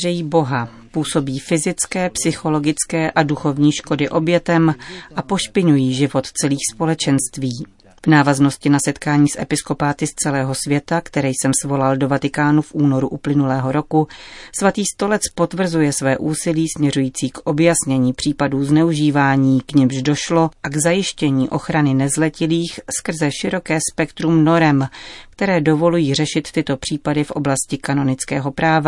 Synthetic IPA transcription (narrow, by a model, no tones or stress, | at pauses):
rɛjiːbo̞ɦa | puːso̞biːfɪzɪt͡skɛːpsɪxo̞lo̞ɡɪt͡skɛːʔaduxo̞vɲiːʃko̞dɪʔo̞bjɛt̪ɛmʔapo̞ʃpɪɲujiːʒɪvo̞t̪t͡sɛliːxspo̞lɛt͡ʃɛnst̪viː | vnaːvazno̞scɪnasɛt̪kaːɲiːsʔɛ̰pɪsko̞paːt̪ɪst͡sɛlɛːɦo̞svjɛt̪akt̪ɛɾɛːjsɛmsvo̞laldo̞vat̪ɪkaːnufʔuːno̞ɾuʔuplɪnulɛːɦo̞ɾo̞kusvat̪iːst̪o̞lɛt͡spo̞t̪vr̩zujɛsvɛːʔuːsɪliːsmɲɛɾujiːt͡siːkʔo̞bjasɲɛɲiːpr̥iːpaduːznɛuʒiːvaːɲiːkɲɪmʒdo̞ʃlo̞ʔaɡzajɪʃcɛɲiːʔo̞xɾanɪnɛzlɛcɪliːxskr̩zɛʃɪɾo̞kɛːspɛkt̪ɾumno̞ɾɛmkt̪ɛɾɛːdo̞vo̞lujiːr̝ɛʃɪt̪ːɪt̪o̞pr̝̥iːpadɪfʔo̞̰blascɪkano̞nɪt͡skɛ̰ːɦo̞pɾaːva